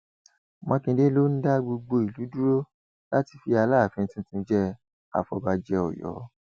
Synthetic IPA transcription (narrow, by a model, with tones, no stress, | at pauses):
mɔ̃˧kĩ˧de˦lo˦n̩˦da˦ɡ͡bo˧ɡ͡bo˧i˨lu˨˦du˦ɾo˦ | la˦ti˧fi˧a˧laː˦˨fĩ˧n̩˦tĩ˦tĩ˧˦d͡ʒɛ˦ | a̰˨fɔ˧ba˧d͡ʒɛ˧ɔ̰˨jɔ̰˨˦